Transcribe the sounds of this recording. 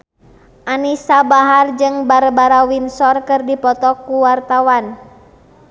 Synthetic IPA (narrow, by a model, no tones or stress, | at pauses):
ʔanisabaɦard͡ʒɨŋbaɾbaɾawinsɔrkɨrdipɔt̪ɔkuwart̪awan